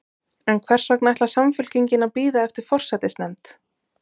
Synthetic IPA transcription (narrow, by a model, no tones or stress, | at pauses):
ɛnkʰvɛr̥sœknaɛht̪lḁsamfʏl̥ciɲcɪnapiːðaɛft̪ɪɾ̥fɔr̥sɛt̪ɪsnɛmt̪